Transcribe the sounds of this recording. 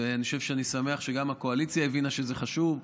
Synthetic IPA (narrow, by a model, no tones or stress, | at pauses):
eaniχoʃevʃeanisame̞aχʃeɡamako̞alit͡sjaevinaʃezeχaʃuv